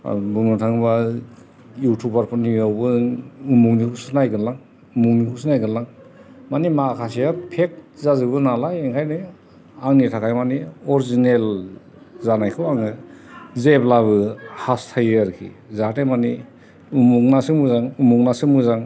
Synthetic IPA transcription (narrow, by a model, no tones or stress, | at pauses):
bunutʰaŋba | jutʰubaɾpʰɯniawbɯumuŋnikʰusɯnajɡɯnlaŋ | umuŋnikusnajɡɯnlaŋ | manimakʰas̬ijapʰek̚zazɯbɯnalajeŋkʰajnɯ | aŋnitʰakʰajmaniɔɾizinel | zanajkʰɯwaŋɯzeplaβɯhastʰajaɾkʰḭzatamani | umuŋnasɯmuzaŋumuŋnasɯmuzaŋ